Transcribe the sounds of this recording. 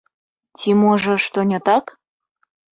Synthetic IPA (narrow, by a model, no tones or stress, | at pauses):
tʲimoʒɤ̆ʃt̪onʲət̪ɑk